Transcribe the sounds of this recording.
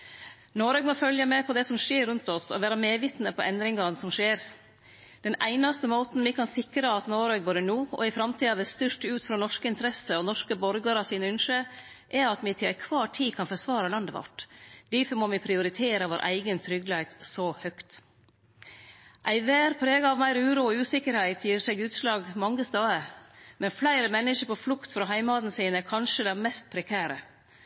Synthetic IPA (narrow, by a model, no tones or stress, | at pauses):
noːɾœːɡmoːfœljəmɛpʰɔd̪ɛsɔmʂeːɾːʉnt̪ɔsɔ̰ʋæːɾɑmeːʋit̪nəpʰɔʔɛnd̪ɾɪŋɑnsɔmʂeːɾ | d̪̥ɛnæɪnɑst̪əmoːt̪n̩mɪkʰɑnsɪkɾəɑt̪noːɾøːɡ̚boːɾənuːɔ̰ɪfɾɑmt̪ʰiːɑʋɛst̪ʏʂʈʉːt̪fɾɑːnɔʂkəɪnt̪ɾɛsəɔnɔʂkəbɔɾɡəɾɑsiːnəʉnʂə | ʔɛɾɑt̪mɪt̪ʰɪlæɪkʰʋɑːʈʰiːkʰɑnfɔɾsʋɑːɾɑlɑnd̪əʋɑ̰ʈd̪̥æfɔmoːmɪpʰɾɪʊɾɪt̪ʰeːɾəʋoːɾʔæ̰ɪɡənt̪ʰɾʏɡlhæɪt̪sɔhœkt̪ | ʔæɪʋæːɾpʰɾeːɡɑɑʋmæɪɾʉːɾuːɔʉːsɪkəɾhæɪt̪ʰjiːsɛːɡʉːt̪slɑːɡmɑŋːəst̪øːəmʔɛnflæɪɾəmɛnːəʃəɾpʰɔflʊkt̪fɾɑːɦæɪmɑːd̪n̩siːnɛkʰɑnʂəd̪ɛmɛst̪̚pʰɾɛkʰæːɾə